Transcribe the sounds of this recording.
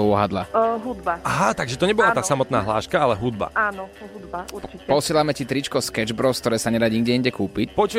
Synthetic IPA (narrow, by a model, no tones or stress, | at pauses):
ɔɦad̪la̰ɦud̪baaɦat̪aɡʒɛt̪ɔɲɛbɔlat̪aːsamɔt̪naːɦla̰ːʃkaalɛɦud̪ba̰aːnɔɦud̪bauɾt͡ʃipɔsɪɛlamɛcit̪ɾit͡ʃkɔskɛd͡ʒbɾɔskt̪ɔɾɛːsaɲɛd̪aɟɲiɡɟɛinɲɟɛkuːpicpɔt͡ʃu